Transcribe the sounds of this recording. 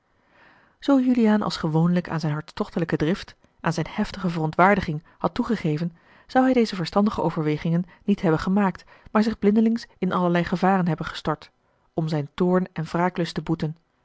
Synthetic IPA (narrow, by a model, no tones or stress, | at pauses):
z̥owjyliaːnʔɑ̰lˠsχəʋownləka̰ːnzɛjnɦɑɹtstɔχtələkədrɪft | ʔaːnzɛjnhɛftəχəvərɔntʋaːɹdəχɪŋ | hɑtːuχəχeːjvən | z̥ɑwɦɛjdejzəvəɹstɑndəχəo̰wvəɹʋejχɪŋənːitɦɛbənχəmaːk̚t | maːɹzɪχblɪndəlɪŋsɪnʔɑləɹlɛjχəvaːrənɦɛbənχə̥stɔɹt | ɔmzɛjntʊːɹnɛnv̥raːklɵstəbutən